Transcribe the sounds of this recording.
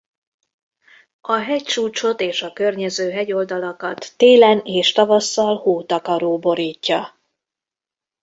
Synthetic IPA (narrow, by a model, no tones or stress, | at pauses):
ɒɦɛct͡ʃuːt͡ʃo̞t̪eːʃɒkø̞rɲɛzøːɦɛɟo̞ld̪ɒlɒkɒt̪ːeːlɛneːʃt̪ɒvɒsːɒlhoːt̪ɒkɒɾoːbo̞ɾiːcːɒ